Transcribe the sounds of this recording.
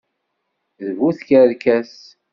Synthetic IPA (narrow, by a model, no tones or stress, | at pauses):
ðvuθkəɾkæs